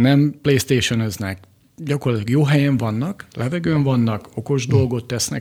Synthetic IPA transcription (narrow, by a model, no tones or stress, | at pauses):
nɛmpleːst̪eːʃonøznɛk | ɟɒkorɒt̪lɒɡjoːɦɛjɛɱvɒnːɒklɛvɛɡøːɱvɒnːɒko̞ko̞ʒd̪o̞lɡo̞t̪ːɛsnɛ̰